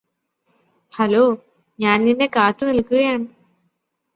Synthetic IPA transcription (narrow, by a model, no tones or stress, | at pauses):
hɐlo̞ː | ɲaːnninːe̞kaːt̪ːɨnilkːuɣɐjaːɳɨ